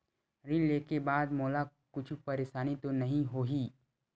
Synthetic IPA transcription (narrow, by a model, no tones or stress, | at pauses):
ɾĩlleːkebaːd̪mɔːlakʊt͡ʃʰpɐɾeːʃaːnit̪onɐɦĩɦoːɦiː